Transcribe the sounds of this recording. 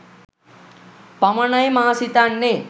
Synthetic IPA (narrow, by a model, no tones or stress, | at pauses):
pɐmɐɳɐjmaɦsit̪anːe